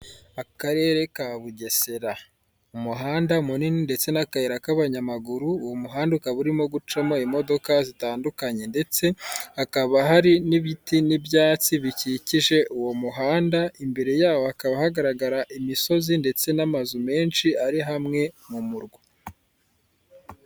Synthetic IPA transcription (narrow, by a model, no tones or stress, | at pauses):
akaɾe̞ːɾe̞kaβuɟe̞se̞ɾa | umuɦaːndaumunininde̞t͡se̞nakaeɾakaβaɲamaɡuɾuːwomuɦaːndukaβuɾimo̞ɡut͡ʃamo̞imo̞do̞kazitaːndukaɲe̞nde̞t͡se̞hakaβaɦaɾiniβitinibjaːt͡siβiciciʒe̞ʔuwo̞muɦaːndaimbe̞ɾe̞jaːwohakaβahaɡaɾaɡaɾaʔimiso̞zinde̞t͡se̞namazume̞ːnʃiaɾiɦamŋe̞mumuɾɡwu